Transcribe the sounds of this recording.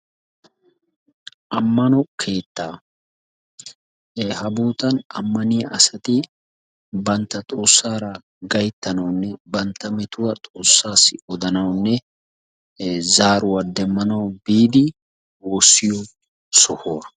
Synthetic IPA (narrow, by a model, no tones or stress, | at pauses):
ʔɐmːɐnɔkʰe̞ːt̪ːaː | hɐbuːt̪ɐnɐ̰mːɐnɪjɐʔɐsɐt̪ɪ | bɐnt̪ːɐt̪ʼo̞ːsːaːɾɐ | ɡɐjt̪ːɐnɐwnːɛbɐnt̪ːɐmɛt̪ʊwɐt̪ʼo̞ːsːaːsːɪʔɔd̪ɐnɐwnːɛ | zaːɾʊwɐd̪ɛmːɐnɐwbiːd̪ɪ | woːsːɪjɔ | sɔhoːɐ